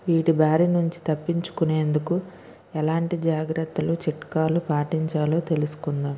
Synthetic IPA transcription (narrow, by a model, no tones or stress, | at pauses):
ʋiːʈibaːɾinuɲt͡ʃi̥t̪ɐpːiɲt͡ʃu̥kune̞ːnd̪uku | ɛlaːɳʈid͡ʒaːɡɾɐt̪ːɐlut͡ʃiʈkaːlupaːʈiɲt͡ʃaːlo̞ːt̪e̞lusu̥kund̪aːm